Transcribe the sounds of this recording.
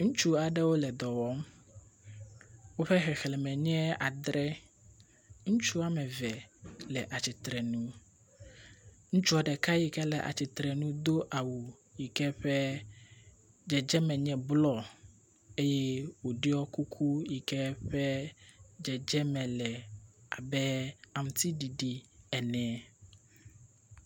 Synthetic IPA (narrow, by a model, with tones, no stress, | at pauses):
ŋũ˦t͡ʃu˦a˨ɖɛ˦wo˦lɛ˨d̪ɔ˨wɔ˦m | wo˦ɸɛ˦xɛ˨xɛ˨lɛ˨mɛ̃˨ɲɛ̃˦a̰˨d̪ɾɛ˦ | ŋũ˦t͡ʃu˦a˨mɛ˨vɛ˨lɛ˨ʔa˨t͡ɕi˨t̪ɾɛ˨nũ˦ | ŋũ˦t͡ʃu˦a˨ɖɛ˨ka˦ji˨kɛ˦lɛ˨ʔa̰˨t͡ɕi˨t̪ɾɛ˨nũ˦d̪o˦ʔa˨wu˨ | ji˨kɛ˦ɸɛ˦ | d͡ʒɛ˨d͡ʒɛ˦mɛ̃˨ɲɛ̃˨blɔ˦ | e˦jɛ˦wo˨ɖi˦ɔ˦ku˦kʰu˦ji˨kɛ˦ɸɛ˦d͡ʒɛ˨d͡ʒɛ˦mɛ̃˨lɛ˨a˨bɛ˦a˨mũ˨t̪i˦ɖi˨ɖi˨ɛ˨nɛ̃˨˦˨